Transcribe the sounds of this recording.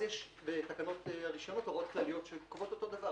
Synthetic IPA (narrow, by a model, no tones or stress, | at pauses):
jeʃ | bet̪akano̞taʁiʃonot̪oʁo̞tklalijo̞t̪ʃekovo̞t̪ot̪o̞d̪ava